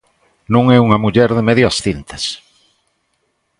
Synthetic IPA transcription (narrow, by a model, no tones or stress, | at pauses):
nũŋɛuŋɐmuʎɛɾðemeðjʊasθint̪ɐ̥s